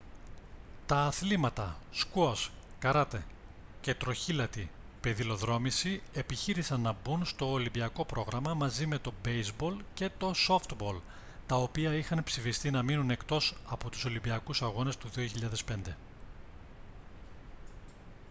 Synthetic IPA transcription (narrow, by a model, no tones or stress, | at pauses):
t̪ɐːθlimɐt̪ɐskuos | kɐɾɐt̪e̞ | ce̞t̪ɾo̞çilɐt̪i | peðilo̞ðɾo̞misie̞piçiɾisɐnːɐbunst̪o̞ːlimbiɐko̞pɾo̞ɣɾɐmɐmɐzime̞t̪o̞be̞jzbo̞lce̞t̪o̞so̞ft̪bo̞l | t̪ɐo̞piɐixɐnpsifist̪inɐminune̞kt̪o̞sɐpo̞t̪u̥so̞limbiɐkusɐɣo̞ne̞st̪uðio̞çiʎɐðe̞spe̞nd̪e̞